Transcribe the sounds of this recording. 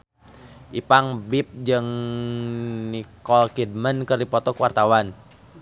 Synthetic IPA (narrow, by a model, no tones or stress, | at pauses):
ʔipaŋbip̚d͡ʒɨŋ | nikɔlkid̚mənkɨrdipɔt̪ɔkuwart̪awan